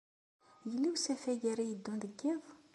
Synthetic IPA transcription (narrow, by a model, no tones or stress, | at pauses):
jəlːiwsæfæʝiɾijəd̪ːund̪əɡːiðˤ